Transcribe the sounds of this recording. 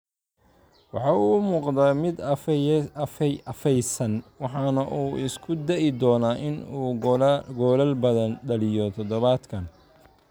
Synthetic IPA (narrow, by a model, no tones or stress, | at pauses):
wɑħɑːuːʊmuːqd̪ɐmɪd̪ | ɐfɛjsɐnwɑħɑːnɐʔuːʔɪ̰skʰʊd̪ɛʔɪd̪ɔːnaːʔɪnuːɡɔːlɐlbɐðɐnɖɐlɪjɔt̪ʰɔd̪ɔβaːd̪kʰɐn